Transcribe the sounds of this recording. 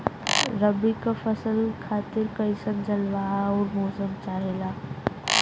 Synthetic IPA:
ɾəbikafʰɐsəlkʰaːt̪ɪɾkɐisənd͡ʒʱəlʋaɔːɾmɔːsəmt͡ʃaːɦelaː

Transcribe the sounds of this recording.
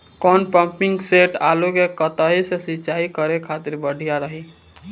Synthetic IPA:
kɔːnpə̃mpɪŋɡseʈaːlukekət̪aɦisesɪːt͡ʃaːikəɾekʰaːt̪ɪɾbəɽ̤ʱijaɾəɦi

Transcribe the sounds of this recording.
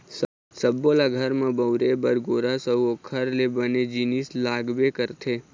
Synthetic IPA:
s | səbːolaɡʱəɾmãbəwɾebəɾɡoːɾasəokʰəɾlebəned͡ʒinislaːɡbekəɾt̪ʰeː

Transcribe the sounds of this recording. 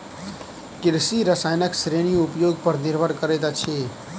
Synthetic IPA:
kɪɾsiɾəsaːjnəksɾeɽ̃ijoʊpjoɡ̚pəɾnɪɾbʱəɾkəɾed̪at͡ʃʰe

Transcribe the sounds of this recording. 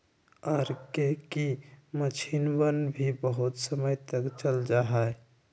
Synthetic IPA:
ɔɾkekimət͡ʃʰinwənbʱibəɦut̪səməjt̪əkt͡ʃəld͡ʒaɦɛe

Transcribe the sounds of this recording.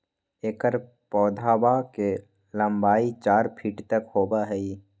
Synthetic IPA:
eːkəɾ | pɔːd̪ʱaːbake | lə̃mbaːit͡ʃaːɾpʰiːʈt̪əkhoːbaɦɛi

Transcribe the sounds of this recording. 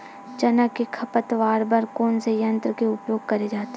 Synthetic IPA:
d͡ʒɐnəkekʰɐpət̪ʋaːɾbɐɾkoːnsejɐ̃nt̪ɾəkeʊpjoːɡ̚kɐɾed͡ʒaːt̪e

